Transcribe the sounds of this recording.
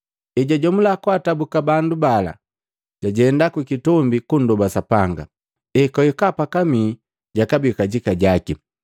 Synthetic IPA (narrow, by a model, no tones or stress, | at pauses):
ɛɟaɟɔmulakwatabukabandubala̰ | ɟ̥aɟɛndakwikitɔmbikun̩dɔbasapaŋɡa̰ | ɛkɔɛkapakamiː | ɟakabikaɟikaɟaki